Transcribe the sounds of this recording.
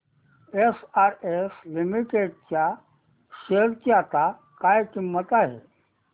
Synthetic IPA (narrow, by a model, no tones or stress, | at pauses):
esaɾeslimiʈeɖ̚t͡ɕja | ɕeɾkjat̪a | kajkimːət̪aɦḛ